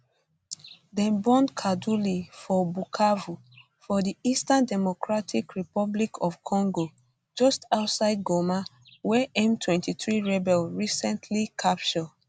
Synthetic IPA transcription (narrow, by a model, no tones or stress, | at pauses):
dɛ̃nbɔ̃nkʰadulifɔbukʰavu | fɔdiistãndɛmokɹatʰikɹipɔblikʰɔfkʰɔ̃ŋɡo | d͡ʒɔstaʊtsaɪd̚ɡoma | wɛʔɛ̃mtʰwɛ̃ntiθɹiɹɛbɛlɹisɛ̃ntʰlikʰap̚t͡ʃɔd